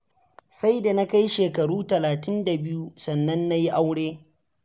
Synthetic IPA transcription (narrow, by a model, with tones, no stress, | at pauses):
sa˦jda˨na˦ka˦jʃeː˨kɐ˨ɽuː˦tɐ˨laː˨tɪ˦nda˨bɪ˦ju˦sɐ˨nːɐ˦nːa˦ji˦ʔa˦wɽeː˦